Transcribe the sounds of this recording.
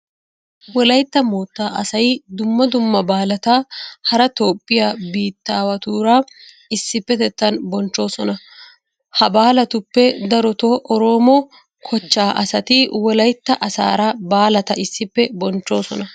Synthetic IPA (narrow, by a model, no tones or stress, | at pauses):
wɔlɐjt̪ːɐmoːt̪ːaːʔɐsɐjd̪ʊmːɐd̪ʊmːɐbaːlɐt̪ɐhɐɾɐt̪oːpʼːɪjaːbiːt̪ːaːwɐt̪uːɾaː | ɪsːɪpːɛt̪ɛt̪ːɐnbɔnt͡ʃːo̞ːsɔnɐ | hɐbaːlɐt̪ʊpːɛd̪ɐɾɔt̪oːʔɔɾoːmɔ | kʰɔt͡ʃːaːʔɐsɐt̪ɪwɔlɐjt̪ːɐʔɐsa̰ːɾɐbaːlɐt̪ɐʔɪsːɪpːɛbɔnt͡ʃːo̞ːsɔnɐ